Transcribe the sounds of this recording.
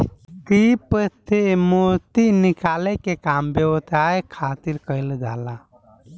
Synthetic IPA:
k̪ipət̪emuɾt̪inikalɛkekambjəwt̪aekʰat̪iɾkəɪld͡ʒala

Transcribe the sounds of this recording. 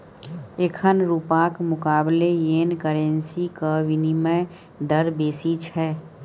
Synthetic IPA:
ekʰənɾuːpaːkmʊkaːblejeːnkəɾẽnsikəʋinime | d̪əɾbeːsit͡ʃʰɛː

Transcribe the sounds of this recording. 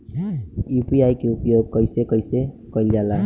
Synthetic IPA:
upiajkeupjoɡ̚kʌjsekʌjse | kʌjljala

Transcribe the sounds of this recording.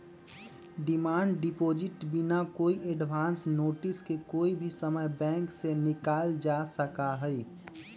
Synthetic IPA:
ɖɪmaːɳɖɖɪpoːd͡ʒɪʈbinakoːiʔeɖʋʱaːnsnoːʈɪskekoːibʱisəməjbɛ̃ːŋksenɪkaːld͡ʒasəkaɦɛi

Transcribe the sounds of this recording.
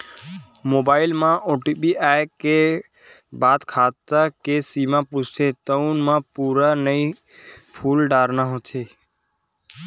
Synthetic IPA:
moːbaːɪlmãːʔoːʈiːbiːʔaːkːeː | baːd̪kʰaːt̪əkeːsiːmãːpust̪ʰeːt̪əunmãːpuːɾaːnəi | pʰuːlɖaːɾnaːɦõːt̪ʰeː

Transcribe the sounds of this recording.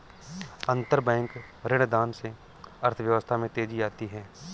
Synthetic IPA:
ə̃nt̪əɾbɛ̃ːŋk | ɾɪɽ̃d̪aːnse | əɾt̪ʰəʋjəʋəst̪ʰamẽt̪eːd͡ʒiaːt̪iɦɛː

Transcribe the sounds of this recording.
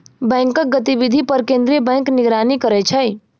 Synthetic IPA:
bɛ̃ːŋkək̚ɡət̪ibid̪ʱipəɾkẽnd̪ɾiebɛ̃ːŋknɪɡɾanikəɾɛt͡ʃʰəj

